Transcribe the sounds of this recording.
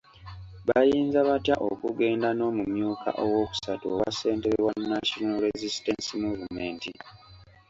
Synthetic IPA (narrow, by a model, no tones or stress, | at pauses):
βajiːnzaβatjaʔo̰kuɡe̞ːndano̞ːmumjuːkʰa̰ʔowo̞ːku̥satoowa̰se̞ːnteɾewanːaʃonalɾezisi̥tensimuvume̞ːnti